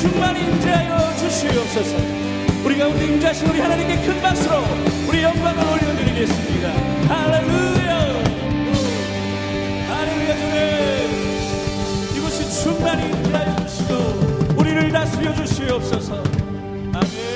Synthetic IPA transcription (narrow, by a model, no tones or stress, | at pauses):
t͡ɕuŋmaɾimd͡ʑeɦajʌd͡ʑuɕʰiʌp̚s͈ʌsʰʌ | uɾiɡaundeimd͡ʑɦaɕʰinuɾihanaɲimk͈e̞kʰɯnmas͈ɯɾouɾijʌŋbaŋɯɭoʎːondɯɾiɡe̞s͈ɯmɲida | haleluja | halelujad͡ʑone | iɡʌɕʰint͡ɕuŋmanimd͡ʑeɦajʌd͡ʑuɕʰiɡouɾiɾɯɭnasʰɯjʌd͡ʑuɕʰiʌp̚s͈ʌsʰʌ | ame